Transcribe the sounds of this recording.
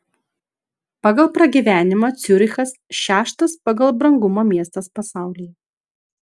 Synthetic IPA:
pɑɡɐlˠpɾɐɡʲiːʋʲæːnʲɪmoːt̪sʲʊɾʲɪxɐsʃʲæːʃt̪ɐspɐɡɐlˠbɾɐŋɡʊmoːmʲiɛst̪ɐspɐsɑˑʊlʲɪjɛ

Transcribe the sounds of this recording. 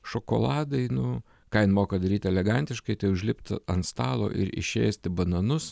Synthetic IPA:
ʃokoːlˠɑːd̪ɐɪnʊ | kɑːɪnmoːkɐd̪ɐɾʲiːt̪ʲɛlʲɛɡɐnʲt̪ʲɪʃkɐɪt̪ɐɪʊʒʲlʲɪpʲt̪ɐnst̪ɑːlˠo̰ːʔɪ̰ɾɪ̰ʃʲḛːsʲt̪ʲɪbɐnɐnʊs

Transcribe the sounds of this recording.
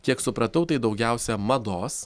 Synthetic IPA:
kʲiɛksʊpɾɐt̪ɐʊt̪ɐɪd̪ɒʊɡʲæˑʊsʲɛmɐd̪oːs

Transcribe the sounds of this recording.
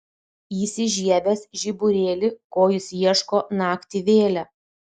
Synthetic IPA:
iːsʲɪʒʲiɛbʲɛsʒʲibʊɾʲeːlʲɪkoːjɪsjiɛʃkoːnɑːkʲt̪ʲɪʋʲeːlʲæ

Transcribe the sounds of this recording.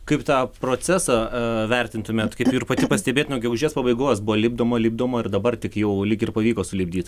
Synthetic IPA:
kɐɪpt̪ɑːpɾoːt͡sʲæːsɑʋʲɛrʲt̪ʲɪnt̪ʊmʲeːt̪kɐɪpuɪrpɐt̪ʲɪpɐsʲt̪ʲɛbʲeːt̪ʲnɛʊɡʲɛɡʊʒʲiːspɐbɐɪɡoːsbʊoːlʲɪːbd̪oːmɐlʲib̚d̪oːmɐɪrd̪ɐbɐrt̪ʲɪkjɛʊlʲɪkɪrpɐʋʲiːkoːsʊlʲɪbʲdʲiːt̪

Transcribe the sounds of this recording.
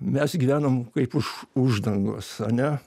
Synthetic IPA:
mʲɛsɡʲiːʋʲæːnomkɐɪpʊʃʊʒd̪ɐŋɡo̰ːsɐnʲɛ

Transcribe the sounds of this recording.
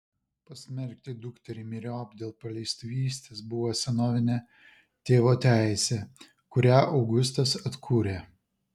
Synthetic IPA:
pɐsʲmʲɛɾʲkʲt̪ʲɪd̪ʊkt̪ʲɛɾʲɪmʲiɾʲoɐbʲd̪ʲeːlˠpɐlʲɛɪst̪ʊʋʲiːsʲt̪ʲeːsbʊʋosʲɛnoːʋʲɪnʲe | t̪ʲeːʋoːt̪ʲæˑɪsʲɛ | kʊɾʲæːʔɒʊɡʊs̬t̪ɐsɐt̪kʰuːɾʲeː

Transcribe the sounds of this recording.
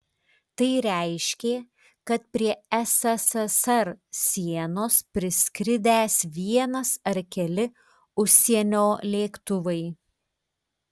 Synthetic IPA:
t̪ɐɪɾʲæɪʃʲkʲeː | kɐt̪̚pʲɾʲiɛɛsɛsɛsɐɾsʲiɛnoːspʲɾʲɪsʲkɾʲɪd̪ʲæːsʋʲiɛnɐsɐɾkʲɛlʲɪ | ʊʃʲsʲiɛnʲoːlʲeːkt̪ʊʋɐɪ

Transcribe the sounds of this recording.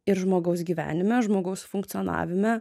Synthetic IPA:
ɪɾʒmoːɡɐʊs̬ɡʲiːʋʲæ̰ːnʲɪmʲɛʒmoːɡɐʊsfʊŋkt̪sʲɪonɑ̰ːʋʲɪmʲɛ

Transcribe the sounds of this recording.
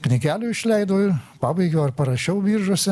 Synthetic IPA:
knʲɪɡʲæːlʲuːɪʃʲlʲɛɪd̪oːɪɾpɑːbɐɪɡʲoːɐɾpɐɾɐʃʲɛʊʋʲiːɾʒosʲɪ

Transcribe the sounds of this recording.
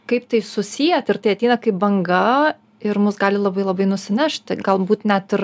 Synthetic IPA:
kɐɪpt̪ɐɪsʊsʲijɛt̪ɪɾt̪ɐɪɐt̪ʲɛɪnɐkɐɪp̚bɐŋɡɐ | ɪɾmʊsɡɑːlʲɪlˠɐbɐɪlˠɐbɐɪnʊsʲɪnʲæʃt̪ʲɡɐlˠbuːt̪nʲɛt̪ɪr

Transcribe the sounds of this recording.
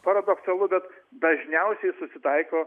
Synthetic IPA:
pɐɾɐd̪oksɐlˠʊbʲɛt̪d̪ɐʒʲnʲɛʊsʲɛɪsʊsʲɪt̪ɐɪkoː

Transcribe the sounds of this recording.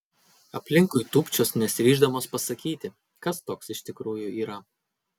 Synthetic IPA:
ɐpʲlʲɪŋkʊɪt̪uːpʲt͡ʃʲoːsnʲɛsʲɪɾʲiːʒd̪ɐmoːspɐsɐkʲiːt̪ʲɪ | kɐst̪oːksɪʃʲt̪ʲɪkɾuːjʊiːɾɐ

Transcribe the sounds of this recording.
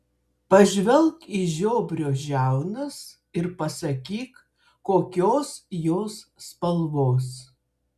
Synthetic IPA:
pɐʒʲʋʲɛlˠkiʒʲoːbʲɾʲoːʒʲæˑʊnɐs | ɪɾpɐsɐkʲiːk | kːoːkʲoːsjoːsːpɐlˠʋoːs

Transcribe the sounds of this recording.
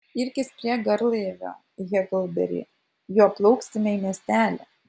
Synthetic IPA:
ɪɾʲkʲɪspʲɾʲiɛɡɐɾlˠeːʋʲo̰ː | ɣʲɛklˠbʲɛ̰ɾʲḭː | joːplˠɒʊksʲt̪ʲɪmʲɛimʲiɛsʲt̪ʲæːlʲɛ̰

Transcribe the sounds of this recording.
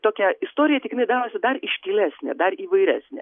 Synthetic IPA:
t̪oːkʲɛɪst̪oːɾʲɪjɛtʲɪkɪnɐɪd̪ɑːɾoːsʲɪd̪ɐrɪʃʲkʲiːlʲæːsʲnʲḛd̪ɐriːʋɐɪɾʲæ̰ːsʲnʲḛ

